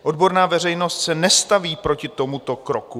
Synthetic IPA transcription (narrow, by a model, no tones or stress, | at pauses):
ʔo̞dbo̞ɾnaːvɛr̝ɛjno̞st̪sɛnɛst̪aviːpɾocɪt̪o̞mut̪o̞kɾoku